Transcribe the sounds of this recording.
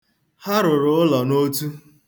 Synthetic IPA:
ha˦ɾʊ˨ɾʊ˨˦ʊ˦lɔ˨no˦tu˦

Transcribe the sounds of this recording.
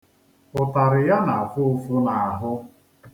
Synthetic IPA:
pʊ˨ta˨ɾɪ˨ja˦na˨a˨fʊ˦fʊ˦na˨ɦʊ˦

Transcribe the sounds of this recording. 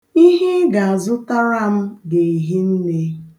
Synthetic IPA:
i˦ɦe˦ɡa˨a˨zʊ˦ta˦ɾa˦m̩˦de˨i˨ɦi˦n̩˦ne˦

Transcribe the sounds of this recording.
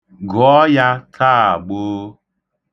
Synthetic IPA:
ɡɔ˨˦ja˦tʰaː˦˨a˨ɡ͡boː˦

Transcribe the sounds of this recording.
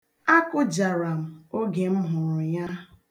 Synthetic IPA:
a˦kʊ˦d͡ʒa˨ɾa˨m̩˨o˦ɡe˨m̩˦ɦʊ˨ɾʊ˨ɲa˦

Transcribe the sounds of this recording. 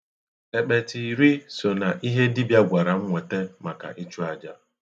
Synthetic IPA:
e˨k͡pe˨ti˨ɾi˦so˨na˨ʔi˦ɦe˦dɪ˦bja˦ɡʷa˨ɾa˨ŋ̩˦ŋʷe˨te˦ma˨ka̰˨ʔi˦t͡ʃu˦a˨d͡ʒa˦

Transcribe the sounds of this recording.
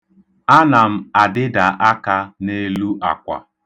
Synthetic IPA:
a˦na˨m̩˦a˨dɪ˦da˨ʔa˦ka˦ne˦lu˦ʔa̰˨kʷa̰˨

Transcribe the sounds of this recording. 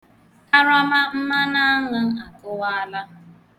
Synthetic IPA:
a˦ɾa˦ma˦m̩˦ma˦na˦a˦ŋa˦a˨kʊ˦wa˦a˦la˦

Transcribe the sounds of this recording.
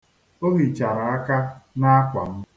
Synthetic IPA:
o˦ɦi˨t͡ʃa˨ɾa˨a˦ka˦na˦kʷa˨m̩˦

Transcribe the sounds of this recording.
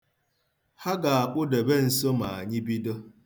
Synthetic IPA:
ha˦ɡa˨a˨k͡pʊ˦de˨be˦n̩˨so˦ma˨a˨ɲɪ˦bi˦do˦

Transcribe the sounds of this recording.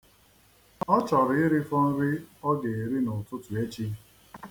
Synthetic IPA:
ɔ˦t͡ʃɔ˨ɾɪ˨ɪ˦ɾi˦fɔ˦n̩˦ɾɪ˦ɔ˦ɡe˨e˨ɾi˦nʊ˨tʊ˦tʊ˨e˦t͡ʃi˦

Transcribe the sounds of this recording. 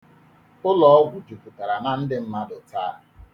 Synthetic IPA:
ʊ˦lɔ˦ɔ˦ɡʷʊ˨d͡ʒu˨pu˨ta˨ɾa˨na˦n̩˦dɪ˦m̩˦ma˦dʊ˨taː˦˨

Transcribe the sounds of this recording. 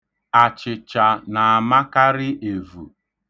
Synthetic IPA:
a˨t͡ʃɪ˨t͡ʃa˨na˨a˨ma˦ka˦ɾɪ˦ʔe˨vṵ˨

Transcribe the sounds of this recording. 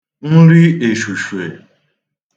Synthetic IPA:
n̩˦ɾi˦e˨ʃu˨ʃu˨e˨

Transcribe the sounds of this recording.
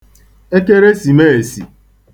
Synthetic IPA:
e˦ke˦ɾe˦si˨me˦e˨sḭ˨

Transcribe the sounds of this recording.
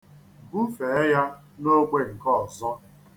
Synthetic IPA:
bu˦fe˨e˦ja˦ | no˦ɡ͡be˦˨ŋ̩˨kɔ˦˨zɔ˦

